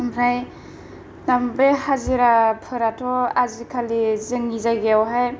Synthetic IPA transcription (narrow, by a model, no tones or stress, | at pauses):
mɾaj | nambehaziɾapʰɯɾatʰɔazikʰalizɯŋizajɡeawɦaj